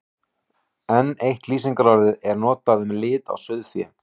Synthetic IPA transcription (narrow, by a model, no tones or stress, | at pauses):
ɛnːejht̪liːsiŋkaɾɔɾðɪɛɾnɔːt̪aðʏmlɪːt̪a̰wsʏðfjɛ̰m